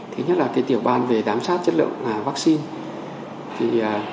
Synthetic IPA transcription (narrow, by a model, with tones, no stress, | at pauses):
t̪ʰe˨˦ɲə˦˥t̚laː˨˩kaː˨˦jt̪i˧˩əwɓaː˧nve˨˩zaː˨˦msaː˦˥t̚t͡ɕə˦˥t̚lɨ̰˧˨ə˨ŋŋ͡maː˨˩vaː˦˥k̚si˧n | t̪ʰi˨˩əː˨˩